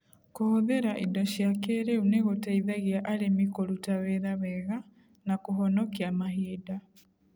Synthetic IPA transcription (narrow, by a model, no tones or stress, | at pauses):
kohoðeɾaʔidɔʃjakeːɾeuneɣotaiðaɣiaʔaɾemikoɾutaweðaβɛɣa | nakoɦɔnɔkiamaɦiːda